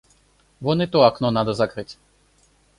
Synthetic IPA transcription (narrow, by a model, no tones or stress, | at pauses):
vɔnɛt̪ɔaknɔnad̪ɐzakɾɨt͡sʲ